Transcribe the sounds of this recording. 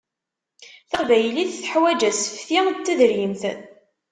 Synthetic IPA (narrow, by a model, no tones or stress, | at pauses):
θəqvæjəliθθħwæd͡ʒæsə̥fθit͡s̪ːæðəɾjimθə